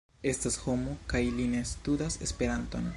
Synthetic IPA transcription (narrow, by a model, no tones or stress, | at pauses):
e̞stasho̞mokajline̞studase̞spe̞ɾanto̞n